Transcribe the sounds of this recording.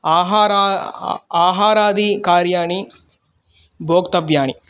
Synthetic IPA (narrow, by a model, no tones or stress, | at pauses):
aːɦaːɾa | aːɦaːɾaːd̪ikaːɾjaːni | bʱoːkt̪ɐbjaːni